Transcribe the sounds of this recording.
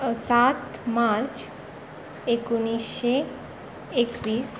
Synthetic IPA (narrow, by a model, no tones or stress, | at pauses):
sat̪maɾt͡ɕ | ekuñisɕeː | kʋiːs